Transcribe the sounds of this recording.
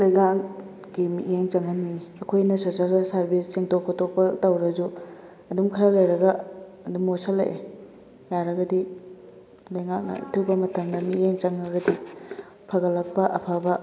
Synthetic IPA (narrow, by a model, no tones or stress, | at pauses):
lɐjŋak | ɡ̥imiʔeŋt͡ʃɐŋɦɐniɐkʰojnɐsosalsɐɾbisːiŋtokʰːotok̚pɐtɐwɾɐzu | ɐdumkʰɐɾɐlɐjɾɐɡɐ | ɐdumosɐlːɐ̰ʔe | jaɾɐɡɐdi | lɐjŋak̚nɐ̰tʰuwbɐmɐtʰɐmdɐmieŋt͡ʃɐŋːɐɡɐdi | pʰɐɡɐlɐk̚pɐʔɐpʰabɐ